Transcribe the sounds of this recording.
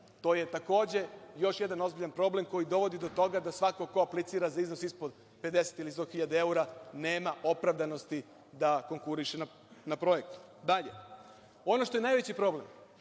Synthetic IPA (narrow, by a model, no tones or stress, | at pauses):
t̪o̞je̞t̪ako̞ːd͡ʑe̞jo̞ʃjed̪ano̞zbiʎanpɾo̞ble̞mko̞jid̪o̞ʋo̞d̪id̪o̞t̪o̞ɡad̪asʋako̞ko̞aplit̪siːɾazaizno̞sispod̪ | pe̞d̪e̞se̥t̪ilist̪o̞xiʎad̪ee̞uɾaneːmaʔo̞pɾaʋd̪ano̞st̪i | d̪ako̞ŋkuɾiʃena | napɾo̞jek̚t̪u̥ | d̪aʎe̞̰ | o̞no̞ʃt̪oje̞naːjʋe̞t͡ɕipɾo̞ble̞m